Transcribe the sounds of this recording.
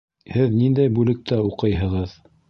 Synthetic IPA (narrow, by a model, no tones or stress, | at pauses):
hɘðnind̪æjbʉlɘ̆k̚t̪æuqɤjɦɤ̆ʁɤð